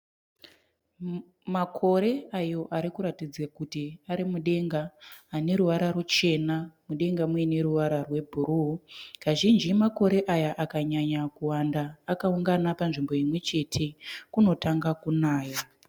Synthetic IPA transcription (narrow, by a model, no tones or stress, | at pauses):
makʰo̞ɾe̞ajo̞ʔaɾikuɾatid͡zakutiaɾimuɗe̞ŋɡaːne̞ɾuʋaɾarut͡ʃe̞namuɗe̞ŋɡamwene̞ɾuʋaɾarwe̞bʱuruɦukaʒind͡ʒimako̞ɾe̞ʔajaʔakaɲaɲakuwandaːkauŋɡanapanʐimbo̞imwe̞t͡ʃe̞tʰe̞kuno̞taŋɡakunaːja